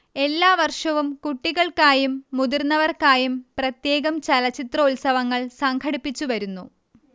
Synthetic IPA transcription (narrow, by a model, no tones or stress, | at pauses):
e̞lːaːʋɐrʂɐʋumkuʈːiɣɐɭkaːjumːud̪irnːɐʋɐrkaːjumprɐt̪je̞ːɣɐmt͡ɕɐlɐt͡ɕːit̪rɐulsɐʋɐŋːɐɭsɐŋkʰɐɽipːit͡ɕːuʋɐɾunːu